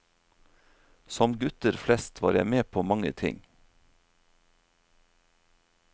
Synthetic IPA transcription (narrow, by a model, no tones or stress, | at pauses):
sɔmɡʉt̪əɾflɛst̪ʰʋɑ̰ːɾjæɪmeːpʰoːmɑŋə̰t̪ʰɪ̰ŋ